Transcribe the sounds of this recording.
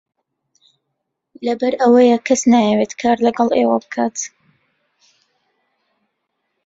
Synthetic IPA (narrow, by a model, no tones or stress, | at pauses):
lɐbɐɾəwɐjəkʰɐsnaːjɛweːt̪kʰaːɾlɐɡɑlˠeːwabɨkʰaːt̪